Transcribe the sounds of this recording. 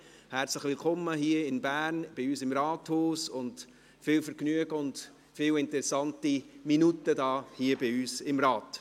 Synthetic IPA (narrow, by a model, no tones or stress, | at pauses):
hæɾt͡sləχʋɪlkʰɔmːəɦiːəɪnbæːɾnb̥ɪyːsɪmɾɑːthoːsʊnt | fɪːwfəɾknyəɡəʊnt | fɪwɪntəɾɛsːɑntiminutːədɑːhiːəbɪyːsɪmɾɑːt